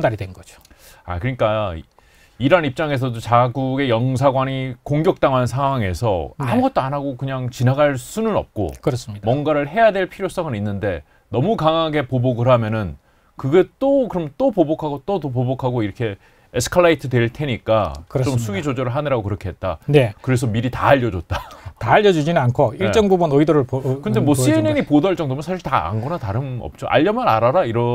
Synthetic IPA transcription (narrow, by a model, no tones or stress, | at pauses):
daɾidenɡʌd͡ʑo | a̰kɯɾɲik͈a | iɾanip̚t͡ɕ͈aŋe̞s̬ʰʌdot͡ɕaɡuɡe̞jʌŋsʰaɡwaɲikoŋɡjʌk̚t͈aŋwansʰaŋɦwaŋe̞sʰʌ̰amuɡʌt̚t͈oanaɡokɯɲaŋt͡ɕinaɡaɭs͈unɯnʌ̰p̚k͈o̰kɯɾʌsmwʌnɡaɾɯɭɦe̞jadwe̞ɭpʰiɾjos͈ʌɡɯninːɯnde̞ | nʌmukaŋaɡe̞poboɡɯɾɦamjʌnɯn | kɯɡet͈okɯɾʌmjʌnt͈opobokʰaɡot͈otopobokʰaɡoiɾʌkʰe̞ | esʰɯ̥kʰaɭːaitʰɯdwe̞ɭtʰe̞ɲik͈akɯɾt͡ɕomsʰuid͡ʑod͡ʑʌɾɯɭɦanɯɾaɡokɯɾʌkʰeɦe̞t̚t͈a̰nekɯɾe̞s̬ʰʌmiɾita̰ːʎːʌd͡ʑot̚t͈ataːʎːʌd͡ʑud͡ʑinɯnankʰoiɭt͡ɕ͈ʌŋbubunoidʌɾɯpkɯnde̞mwʌsieneɲipodʌɭt͡ɕ͈ʌŋdomnsʰaɕʰiɭtaa̰nɡʌnataɾɯmʌ̰p̚t͡ɕ͈oʔa̰ʎːʌmʌna̰ɾaɾaiɾʌ